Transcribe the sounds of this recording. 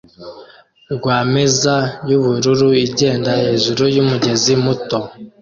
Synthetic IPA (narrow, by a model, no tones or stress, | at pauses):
ɡwaːmezajuβuɾuɾuiɟe̞ːndahe̞ːʒuɾujumuɟe̞zimuto̞